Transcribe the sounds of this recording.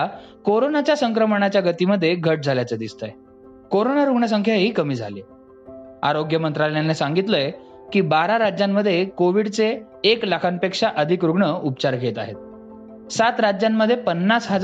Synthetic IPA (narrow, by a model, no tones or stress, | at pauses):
koɾonat͡ɕjasəŋkɾəmɳ̃at͡ɕjaɡət̪iməd̪ʱːjeɡʱəʈ̚d͡zʱaljat͡səd̪ist̪aj | koɾonaɾuɡɳəs̬əŋkʰjaɦiːkəmiːd͡zʱa̰le | a̰ɾoɡjəmənt̪ɾalejanːesaŋɡit̪ləj | kiːbaɾaɾad͡ʑjamːəd̪ʱːjekoʋiɽt͡seː | kləkʰanpekʂaʔəd̪ʱikɾuɡɳəupt͡ɕaɾkʰet̪a̰ɦet̪̚ | sat̪ɾad͡ʑjamːəd̪ʱjepənːasɦəd͡z